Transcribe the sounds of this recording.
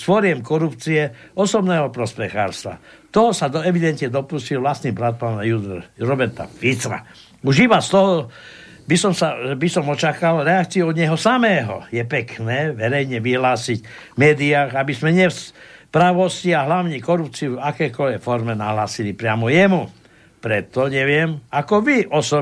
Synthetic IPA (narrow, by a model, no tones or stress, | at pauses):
sfɔɾɪɛmkɔɾupt͡siɛɔsɔbnɛːɦɔpɾɔspɛxa̰ːɾst̪ʋa̰ | t̪ɔsad̪ɔɛʋid̪ɛnt̪ɲɛd̪ɔpuscilʋlast̪niːbɾat̪̚paːnajud̪ɾɔbɛɾt̪a̰fit͡sɾa̰ | uʒibast̪ɔɦɔ | bisɔmsabisɔmɔt͡ʃakalɾɛakt͡siuɔd̪ɲɛɦɔsamɛːɦɔ̰jɛpɛknɛːʋɛɾɛjɲɛʋiɦlaːsiɟmɛːd̪iaːɣabismɛɲɛspɾaʋɔsciaɦlaʊɲɛkɔɾup̚t͡siuvakɛːkɔʎʋɛkfɔɾmɛnaɦlaːsilipɾɪamɔjɛmu | pɾɛt̪ɔɲɛʋɪɛmakɔʋiʔɔsɔ